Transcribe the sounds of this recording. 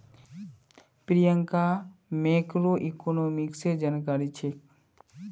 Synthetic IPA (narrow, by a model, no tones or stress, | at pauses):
pɾijəŋkamekɾoʔikonomiksed͡ʒankaɾit͡ʃʰe